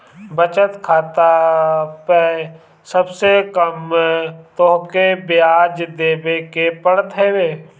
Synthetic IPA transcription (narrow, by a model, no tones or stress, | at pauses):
bət͡ʃət̪kʰaːt̪ape | səbsekəm | t̪oɦkebɪjaːd͡ʒd̪eːbekepəɽt̪ɦeːbeː